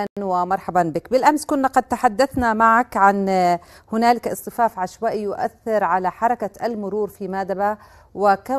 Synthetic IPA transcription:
anwɪmɑɾˤħabɑnbɪkbɪlʔamskʊnːaqɑd̪̚t̪aħad̪ːaθnamaʕakʕanhʊnaːlɪkʔɨsˤt̪ːˤɨfaːfʕaʃwaːʔjʊʔa̰θːɪɾʕalaħɑɾˤɑkaʔalmʊɾuːɾfimaːd̪aba | wɪka

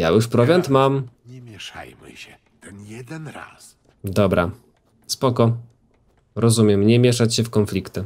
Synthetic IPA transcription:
ja̰juʂpɾɔvʲant̪mamɲɛmʲjɛʂa̰jmɘ̰ɕɛ | t̪ɛnjɛd̪ɛnɾa̰s | d̪ɔbɾa | spɔkɔ | ɾɔzumʲjɛmɲɛmʲjɛʂat͡ɕɕɛfkɔnflʲikt̪ɘ

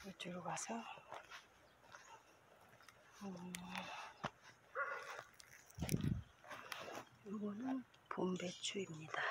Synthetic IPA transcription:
ɯt͡ɕɯɾɡasʰʌ | ɯ | juɡonɯn | pumbet͡ɕʰuimɲid̥a

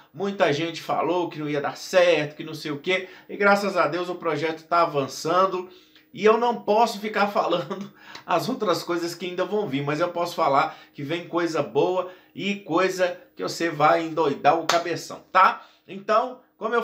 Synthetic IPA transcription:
mũj̃t̪ɐʒẽnt͡ʃɪ̥fa̰lowkɪnɐ̃w̃iɐd̪aɾsɛɾt̪ʊ̥kɪnɐ̃w̃sejʊkeɪɡɾasɐzad̪ewzʊpɾɔʒɛt̪ʊ̥t̪aːvɐ̃sɐ̃d̪ʊ | ɪewnɐ̃w̃pɔsʊfikaɾfalɐ̃nd̪ʊɐ̰zowt̪ɾɐskojzɐskɪaĩnd̪ɐvɐ̃w̃viɾmɐzewpɔsʊ̥falaɾkɪvẽj̃kojzɐbowɐ | ɪkojzɐkɪvosevajẽd̪ojd̪aʊkabesɐ̰̃w̃t̪a | ẽt̪ɐ̃w̃ | kʷwɐ̃mʊe

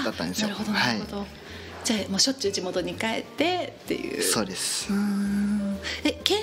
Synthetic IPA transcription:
at̪ːã̰nd̪enɾɯ̟ho̞d̪onh̪aaɯiod̪o | d͡ʑaːmo̞ːɕo̞t͡ɕɨːd͡ʑimo̞t̪o̞ɲ̟ikae̞̰t̪ːe̞t̪ːe̞̰jɯ̰ːsso̞ːd̪esɨ̥ɯ̃ | eke

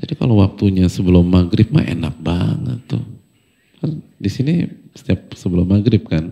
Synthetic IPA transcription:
d͡ʒadika̰lowak̚t̪uɲasəbəlʊmːaɡɾɪp̚ma̰ḛnak̚baŋə̰t̪ːʊ̰ | kandisinisə̥t̪iap̚səbəlʊmːaɡɾɪp̚kan

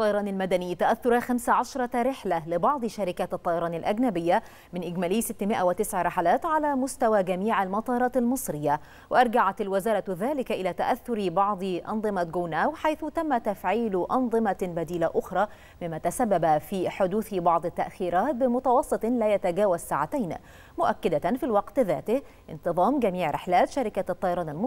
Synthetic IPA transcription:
ʔɑt̪ˤːɑjɑɾˤɑːnɪlmad̪ænɪjːt̪aʔaθːʊɾˤɑxamsaʕaʃɾˤɑɾɪħlalɪbɑʕd̪ˤʃaɾɪkaːt̪ɨt̪ˤːɑːjɑɾˤɑːnɪlʔaɡnabɪjːa | mɪnʔɪɡmæːlɪːsɪt̪ːɪmɪʔawɪt̪ɪsʕɾɪħalaːt̪ʕalæːmʊst̪awaːɡamiːʕalmɑt̪ˤɑːɾˤɑːt̪almɨsˤɾɪjːa | wɪʔɑɾˤɡaʕat̪alwɪzɑːɾˤɑðaːlɪkʔɪlæːt̪aʔaθːʊɾbɑʕd̪ˤɨʔɑ̰nðˤɨmaɡoːnaːwħajθʊt̪amːat̪afʕiːlʔɑnðˤɨmabad̪iːlaʔʊxɾˤɑː | mɪmːat̪asabːabafiːħʊd̪uːθbɑʕd̪ˤɪt̪ːaʔxiːɾˤɑːt̪̚bɪmʊt̪ɑwɑsˤːɨt̪ˤlaːjat̪aɡæːwazsaːʕat̪ajn | mʊʔakːɪd̪anfilwɑqt̪ðæ̰ːt̪ɪh | ʔɪnt̪ɨðˤɑːmɡamiːʕɾɪ̰ħlaːt̪ʃaɾɪkat̪ˤːɑjɑɾɑːnɪlmɑˤ

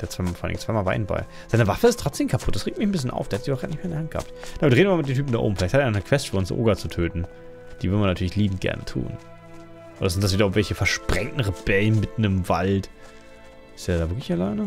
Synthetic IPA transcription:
d̥eːt͡sv̥aɪmafɔːa̰l̰nɪ̰ŋn̩t͡svaɪmaːlva̰ɪnba̰ɪ | z̥aɪnəvafəɪstʰʁ̥ɔt͡sd̥eːmkʰapʰʊt̚d̥asʁ̥eːk̚tmɪçn̩bɪs̬çənʔa̰ʊfdeːɐhatziçabːɡʁaːtnɪçmeːndɛːhantɡ̥əha̰ptd̥aːmɪdʁeːnvɪmamtdeːntʰyp̬m̩daʔo̰bmfɪlaɪthatːeːɪnɔnəkʰv̥ɛstt͡ʃfyːɐʊnsʔo̰ːɡat͡sutʰøːtn̩ | d̥iːvɪʁdəmanatʰyɐɪçliːbm̩t̚ɡ̥ɛ̰ɐnətʰṵːn | ʔoːdɐzɪntd̥as̬v̥iːdɐʔŋvɛlçəfɛɐʃpʁ̥ɛŋtn̩ʁeb̥ɛlən̩mɪtn̩ɪmva̰lt | ʔɪsteːɐdaːvɪɐklɪçɛlaɪnə

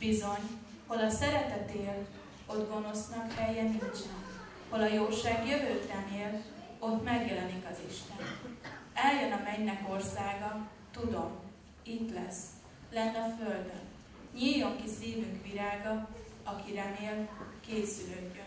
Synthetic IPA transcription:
bizo̞ɲ | ho̞lɒsɛɾɛt̪ɛt̪eːl | o̞d̪ɡo̞no̞snɒkhɛjːɛniɲt͡ʃɛn | ho̞lɒjoːʃaːɡjøvøːt̪rɛneːl | o̞t̪ːmɛɡjɛlɛnikɒziʃt̪ɛnɛljønɒmɛɲnɛko̞rsaːɡɒ | t̪ud̪o̞m | it̪lɛs | lɛnːɒføld̪ø̰n | ɲiljːo̞ŋkisiːvyŋkʋiɾaːɡɒ | ɒkiɾɛneːlkeːsyløɡːøn

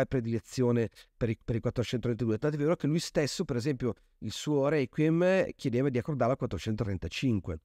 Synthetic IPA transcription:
pɾed̪ilet̪sːjoːnepeɾipeɾikwat̪ːɾot͡ʃɛnt̪ot̪vent̪ad̪uːet̪ant̪ɛeveːɾokelujst̪esːopeɾezɛmpjo | ilsuːoɾɛjkwimkjed̪eːvad̪iakːord̪aɾlakwat̪ːɾot͡ʃɛnt̪ot̪ɾɛnt̪at͡ʃiŋkwe

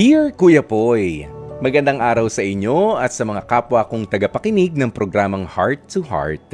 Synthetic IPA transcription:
iɹkuːjɐpojmɐɡɐnd̪aŋʔaːɾɐwsɐʔɪɲːo̞ɐt̪sɐmɐŋakaːpwɐkʊŋt̪ɐɡɐpɐkɪnɪɡ̚nɐŋpɾoɡɾaːmɐŋhaɹt̪ːuha̰ɹt̪̚

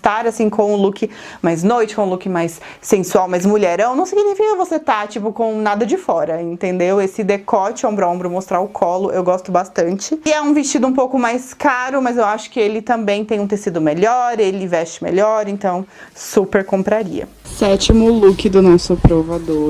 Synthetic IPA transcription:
st̪aɾasĩkõw̃ũlukɪ | majznojt͡ʃɪkõlukɪmajsːẽsuawmazmuʎɛɾɐ̃w̃nɐ̃w̃seknẽfẽj̃ɐvoset̪at͡ʃipʊkõw̃nad̪ɐd͡ʒɪfɔɾɐẽnt̪ẽnd̪ewesɪd̪ekɔt͡ʃɪõmbɾʊõmbɾʊmost̪ɾaʊkʰɔlʊʔewɡɔst̪ʊbast̪ɐ̃nt͡ʃɪɛũvɪst͡ʃid̪ʊũpowkʊmajskaɾʊmɐzewaʃʊ̥kɪelɪt̪ɐ̃mbẽj̃t̪ẽj̃ũt̪esid̪ʊmeʎɔɾelɪvɛst͡ʃɪ̥mḛʎɔɾẽnt̪ɐ̃w̃supeɾkõmpɾaɾḭɐ̰ | sɛt͡ʃimʊlukɪd̪ʊnɔsʊpɾovad̪o

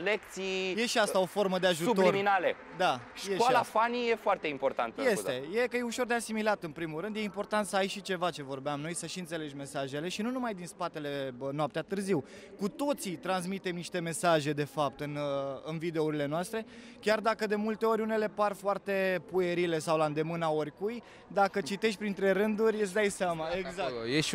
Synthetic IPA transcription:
lek̚t̪sijeʃiast̪ao̞fo̞rməd̪e̞aʒusub̪loirminalḛ | d̪aʃjeailafanije̞foart̪eimpo̞rt̪a̰nt̪̚je̞se̞jekəjeuʃo̞rd̪easimilat̪ɨnpɾimulɾɨnd̪je̞impo̞rt̪ant̪səajʃit͡ʃe̞vat͡ʃe̞vo̞rbeamno̞jsəʃiɨnt̪se̞le̞d͡ʒme̞saʒe̞le̞ʃinunumajd̪inspat̪e̞le̞noap̚t̪eat̪ɨrziw | kut̪o̞t̪sit̪ɾans̬mit̪e̞mniʃt̪e̞me̞saʒe̞d̪e̞fap̚t̪ɨnɨnvid̪euɾile̞noast̪ɾe̞ | kʲard̪akəd̪e̞mult̪e̞o̞ɾʲune̞le̞parfoart̪e̞pue̞ɾile̞sawland̪e̞mɨnao̞rʲkuj | d̪akət͡ʃit̪e̞ʃt̪ʲpɾint̪ɾe̞ɾɨnd̪uɾʲesd̪ajseamaeɡzakjeʃ

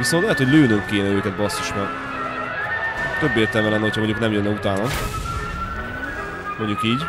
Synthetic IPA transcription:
visont̪lɛɦɛt̪hoɟʲløːnømkeːnɛøːkɛt̪bɒsoʃmɛ | t̪øbːeːrt̪ɛlmɛlɛnːɛho̞cʰhɒmoɲɟuknɛmjønːɛut̪aːnɒ | moɲɟukiːɟ

